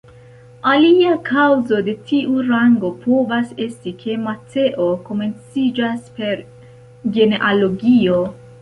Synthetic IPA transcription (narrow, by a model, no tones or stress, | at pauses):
aliakʰawzo̞de̞tʰiʔuɾaŋɡo̞pʰo̞vase̞stikʰe̞matʰe̞ʔo̞ko̞me̞nt͡sid͡ʒaspe̞ɾ | ɡe̞neʔaloɡio̞